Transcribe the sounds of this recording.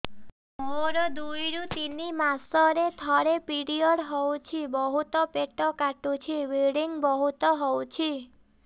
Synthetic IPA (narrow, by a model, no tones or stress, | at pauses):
moɾɔd̪ujɾut̪inimasɔɾet̪ʰɔɾepiɽiɔɽɦɔwt͡ʃʰibɔɦut̪ɔpeʈɔkaʈut͡ʃʰiʋeɽiŋɡbɔɦut̪ɔɦɔwt͡ʃʰi